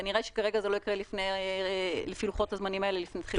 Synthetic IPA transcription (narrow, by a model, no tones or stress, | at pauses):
niʁaiʃe̥kaʁeɡazelo̞ikʁelifnej | lefiluχo̞t̪hazmanimae̞lelifnet̪χil